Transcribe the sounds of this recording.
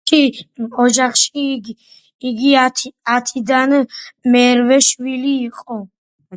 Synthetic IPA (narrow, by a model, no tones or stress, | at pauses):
kʼiɔd͡ʒaχʃiɡː | ɡiat̪ʰat̪ʰid̪anmɛɾvɛʃwiliːqʼɔ